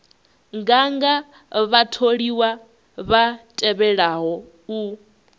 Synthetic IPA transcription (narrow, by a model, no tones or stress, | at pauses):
ŋɡaŋɡa | βatʰoɺiwa | βatʼɛβɛɺaɦɔ | u